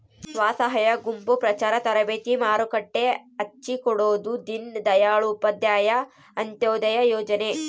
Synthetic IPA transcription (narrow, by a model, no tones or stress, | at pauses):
sʋaːsɐɦɐjɐɡumpupɾɐt͡ʃaːɾɐt̪ɐɾɐbeːt̪imaːɾukɐʈːeɐt͡ʃːikɔɽoːd̪ud̪ind̪ɐjaːɭuːpɐd̪jaːjɐ | ɐnt̪joːd̪ɐjɐjɔːd͡ʒɐne